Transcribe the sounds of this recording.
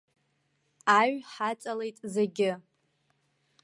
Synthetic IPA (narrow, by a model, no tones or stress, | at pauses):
aɥħat͡sʼale̞jtʼzeɡʲɪ